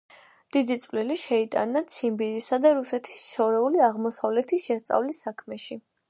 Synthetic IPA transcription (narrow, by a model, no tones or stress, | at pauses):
d̪̥id̪it̪sʼvlɛliʃɛit̪ʼa̰nat̪sʰimbiɾisad̪aɾusɛt̪ʰi̥sʃɔɾɛuliaʁmɔsavlɛt̪ʰisʃɛst̪sʼa̰vlisːakʰmɛʃi